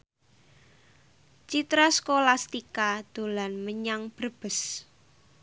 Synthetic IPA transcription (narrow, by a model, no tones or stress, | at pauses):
t͡ʃit̪ɾaskolast̪ikad̪̥o̤lanməɲaŋb̥ərb̥ə̤s